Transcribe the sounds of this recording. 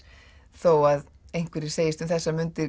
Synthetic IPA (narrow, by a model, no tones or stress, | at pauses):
θowað | ejŋ̥kvɪɾɪseːjɪst̪ʏmθɛsːamʏnt̪ɪ